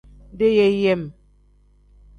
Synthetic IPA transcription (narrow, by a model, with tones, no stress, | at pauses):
de˦jɛ˦jɛ˦˨m